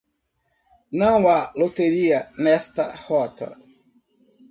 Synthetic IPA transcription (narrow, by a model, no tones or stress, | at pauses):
nɐ̃w̃alot̪eɾiɐnɛst̪ɐhɔt̪ʰɐ̰